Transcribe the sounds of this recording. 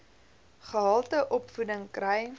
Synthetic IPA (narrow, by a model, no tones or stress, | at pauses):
χəɦɑlˠtəʔɔpfudəŋkrɛj